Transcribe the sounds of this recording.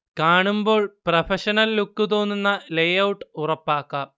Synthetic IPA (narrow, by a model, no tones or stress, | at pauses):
kaːɳumbo̞ːɭprɐfʰɐɕɐnɐlːukːut̪o̞ːnːunːɐlejɐwʈːɨurɐpːaːkːaː